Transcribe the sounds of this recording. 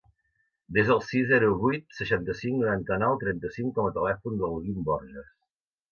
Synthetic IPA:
d̪ezəlˠsizɛɾuβujt̪̚səʃant̪əsiŋknuɾant̪ənɔwt̪ɾɛnt̪əsiŋkɔmət̪əlɛfund̪əlˠɣimbɔɾrʒəs

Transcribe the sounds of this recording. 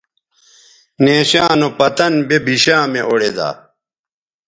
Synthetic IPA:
neːɕaːnopɐt̪ɐnbebʱiɕaːmeʔoɽed̪a̰ː

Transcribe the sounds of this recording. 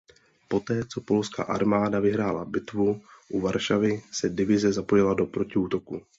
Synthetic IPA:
po̞t̪ɛːt͡so̞po̞lska̰ːʔa̰ɾmaːdavɪɦɾaːla̰bɪt̪vuʔuvaɾʃavɪsɛdɪvɪzɛzapo̞jɪlado̞pɾo̞cɪuːt̪o̞ku

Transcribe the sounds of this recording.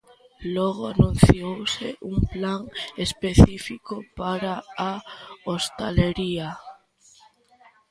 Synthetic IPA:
loɣ̞oanũn̟θjowsḛʔumplaŋespeθifikopaɾaaost̪aleɾia

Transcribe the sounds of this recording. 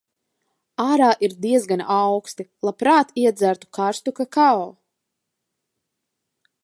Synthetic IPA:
aːɾaːʔiɾd̪iɛzɡanawkst̪ilˠapɾaːt̪iɛd̪zæɾt̪u̥kaɾst̪ukakaɔː

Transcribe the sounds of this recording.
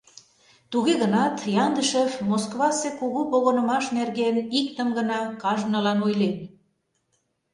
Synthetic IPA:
t̪uɣeɣənɑt̪jɑnd̪əʃəfmoskβɑsekuɣupoɣonə̆mɑʃnerɣenik̚t̪əmɡənɑkɑʒnə̆lɑnojlen

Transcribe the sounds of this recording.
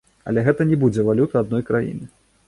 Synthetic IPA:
ɐ̰lʲɛɣɛt̪ɐnʲɛbud͡zʲɛvalʲut̪ɐad̪nɔjkɾajḭnɨ

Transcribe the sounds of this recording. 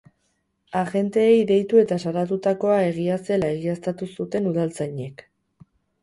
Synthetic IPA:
aɣe̞nt̪e̞ːjðe̞jt̪ue̞t̪asaɾat̪ut̪ako̞ae̞ɣ̞iase̞lae̞ɣiast̪at̪usut̪e̞nuðalt͡sajɲe̞k

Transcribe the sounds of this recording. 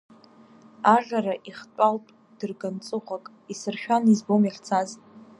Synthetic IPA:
aʒᶣaraʔiχt͡pʷʼalpʼ | d̥ɨrɡant͡sʼɨχʷakʼ | isɨrʃᶣanizbomjaχt͡sʰaz

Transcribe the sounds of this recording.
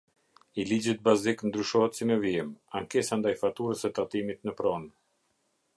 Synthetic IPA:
ilid͡ʑit̪̚baziknd̪ɾyʃɔɦɛt̪simɛviɛmaŋkɛsand̪ajfat̪uɾəsɛt̪at̪imit̪nəpɾɔn

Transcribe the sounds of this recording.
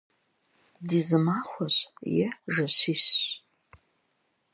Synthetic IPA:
dizɨmaχʷaɕʷjɛʐɐɕʷiɕ

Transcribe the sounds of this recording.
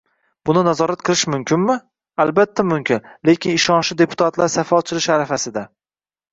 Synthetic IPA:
bʊnɪnazɒɾat̪̚qʰɨlˠɪʃmʊmkʲʰɪnmɪ | albat̪ʰːamʊmkʲɪnle̞kʲɪnɪʃɒnʃɪd̪e̞pʰʊ̥t̪ʰat̪laɾsafat͡ʃʰɪlɪʃaɾafasɪd̪a

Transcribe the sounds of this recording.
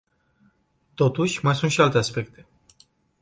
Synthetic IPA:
t̪o̞t̪uʃʲmajsunt̪ʃialt̪e̞aspe̞k̚t̪ʰe̞

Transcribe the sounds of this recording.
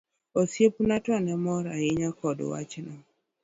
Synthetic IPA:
osjepnatɔnɛmɔɾaɪɲakɔd̰wa̰t͡ʃnɔ

